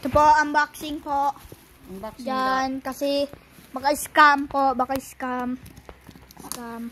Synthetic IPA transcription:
t̪əpɔʔambaksiŋpɔʔ | d͡ʒankasi | bakalskampɔʔbakalskam | skam

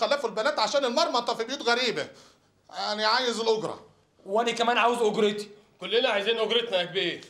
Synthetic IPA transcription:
xælːæfulbælæːt̪ʕaʃæːnelmɑɾˤmɑt̪ˤːɑfibjuːt̪ɣæɾiːbæ | æniʕaːjezelʔoɡɾˤɑ̰ | wʔænækæmæːnʕaːwezʔoɡɾet̪i̥ | kolːenæʕajziːnʔoɡɾet̪nææk̚biːɾ

